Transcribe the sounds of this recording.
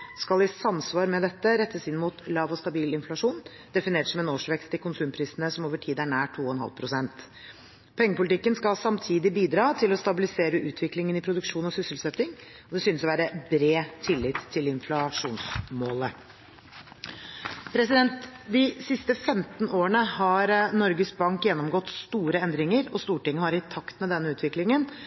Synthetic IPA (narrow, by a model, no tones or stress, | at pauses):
skɑlɪsɑmsʋɑːɾmɛd̪ɛt̪ːəɾɛt̪ːəsɪnːmuːt̪lɑːʋɔst̪ɑbiːlɪnflɑʂuːn | d̪ɛfɪneːʈsɔmɛnoːʂʋɛkst̪ɪlkʊnsʉːmpʰɾiːsənəsɔmoːʋəʈʰiːd̪æɳæːʈʰːuːɔɛnɦɑ̰lpʰɾʊsɛnt̪ | pʰɛŋːəpʊlɪt̪ɪkːənskɑsɑmt̪ʰiːd̪ɪbiːd̪ɾɑːt̪ʰɪlɔst̪ɑbɪlɪseːɾəʔʉːt̪ʰʋɪklɪŋənɪpʰɾʊd̪ʉkʂuːnɔsʏsəlsɛt̪ːɪŋ | ɔd̪ɛsʏnəsɔʋæːɾəbɾeːt̪ʰɪlːɪt̪ʰːɪlɪnflɑʂuːnsmoːlə | pʰɾɛsɪd̪ɛnt̪d̪ɪsɪst̪əfɛmt̪noːəɳəhɑɾnɔɾɡəsbɑŋkjɛnːɔmɡɔt̪ːst̪uːɾəɛnd̪ɾɪŋəɾɔst̪uːʈɪŋːəhɑɾɪt̪ʰɑkt̪mɛd̪ɛnːəʉːt̪ʰʋɪklɪŋən